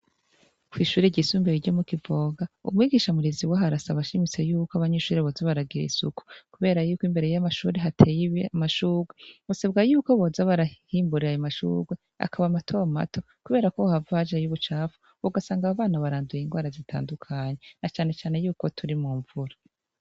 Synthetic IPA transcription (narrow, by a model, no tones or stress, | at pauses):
kwiʃuːɾeɟisuːmbeiɟo̞mukivo̞ːɡaṵmŋiːɡiːʃamuɾiziwaɦaɾasaβaʃimit͡se̞juːkoaβaɲeʃuːɾeβozaβaɾaɡiɾḭsuku̥kuβe̞ːɾajuːkimbe̞ɾejamaʃuːɾeɦatʰejimaʃuːɾɡweβuseb̚ɡajuːko̞βo̞zaβaɾahiːmbuɾiɾajomaʃṵːɾɡwe̞ | a̰kʰaβamatʰo̞ama̰tʰo̞ | kuβe̞ːɾakohavad͡ʒejuβut͡ʃaːvu̥ | βuɡasaːŋɡaːβaːnaβaɾaːndujiŋɡwaːɾazitʰa̰ːndukʰaɲe̞nat͡ʃaːne̞t͡ʃaːne̞juːko̞tʰuɾimuːɱvuɾa